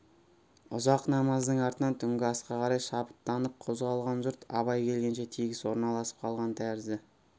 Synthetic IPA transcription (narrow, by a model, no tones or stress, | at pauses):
ʊzɑqnɑmɑzd̪əɴɑɾt̪ənɑnt̪ʰʏŋɡʲɪɑsqɑqʰɑɾɑjʃɑpə̥t̪ːɑnəp̚qʰozʁɑlˠʁɑnʒʊɾt̪ɑ̰βɑjkʲʰe̞lɡʲe̞nʃe̞t̪ʰijɡʲɪswoɾnɑlˠɑsə̥p̚qʰɑlˠʁɑnt̪ʰæɾzɪ